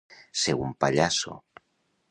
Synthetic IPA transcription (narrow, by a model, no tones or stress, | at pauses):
seɣumpaʎaso̰